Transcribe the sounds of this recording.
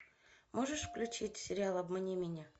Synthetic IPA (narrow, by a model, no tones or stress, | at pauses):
moʐəʂfklʲʉt͡ɕitʲsʲɪɾʲɪalˠɐbmənʲimʲɪnʲa